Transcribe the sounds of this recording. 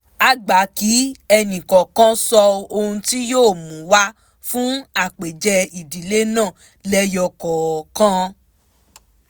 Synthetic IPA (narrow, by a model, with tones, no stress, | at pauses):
a˦ɡ͡ba˨˦ki˨˦ɛ˧nĩ˨kɔ̃˨kã˦sɔ˧o˧hũ˧ti˦joː˦˨mũ˨˦wa˦ | fũ˦a˦˨k͡pe˨d͡ʒɛ˧i˨di˨˦le˦nãː˦˨ | lɛ˦jɔ˧kɔ˨kã˦